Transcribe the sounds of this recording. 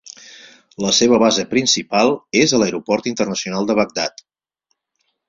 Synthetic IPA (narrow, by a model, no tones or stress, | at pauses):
ləseβ̞əβazəpɾinsipalˠezələjɾupɔrt̪int̪ərnəsiunalˠd̪əβəɡ̚d̪at̪